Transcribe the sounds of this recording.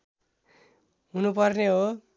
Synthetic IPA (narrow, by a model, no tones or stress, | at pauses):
ɦunupʌrneɦo